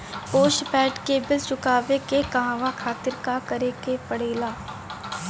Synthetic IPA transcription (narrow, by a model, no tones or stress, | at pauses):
poːʃpɛːʈkebɪlt͡ʃʊkaːʋekekɐɦãːʋakʰaːt̪ɪɾkakɐɾekepɐɽ̤eːlaː